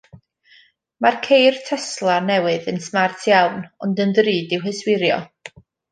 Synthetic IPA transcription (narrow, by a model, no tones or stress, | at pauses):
markʰejrtʰɛslˠanɛwɨðənsmartʰjawnɔndəndriːdɪwɦəswɪɾjɔ̰